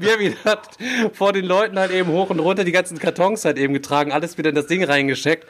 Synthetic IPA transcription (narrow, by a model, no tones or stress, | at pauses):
miːɐviːdɐtfoːɐdeːnlɔʏtn̩haltʔeːbm̩hoːxʊntʁʊntɐdiːɡant͡sn̩kʰaɐtʰɔŋshaltʔeːbm̩ɡətʁ̥aːɡŋ̩ʔaləsv̥iːdɐɪndasd̥ɪŋʁaɪnɡəʃtɛk̚t